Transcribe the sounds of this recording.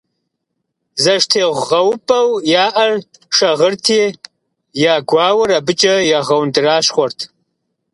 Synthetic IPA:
zɐʃtʰeːʁʷʁɐwpʼɐwjaːʔɐr | ʂɐʁərtʰeː | jaːɡʷɑːwɐɾabɨt͡ʃʼɐjaʁɐwndɨraːɕχʷɔrtʰ

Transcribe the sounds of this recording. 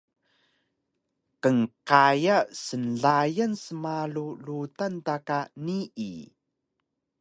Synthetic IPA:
kəŋqajasənɮajənsəmalulutantakaniʔḭ

